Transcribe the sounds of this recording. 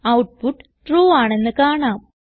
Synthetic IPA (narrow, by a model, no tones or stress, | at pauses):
ɐwʈ̚puʈː | ʈruːaːɳe̞nːɨkaːɳaːm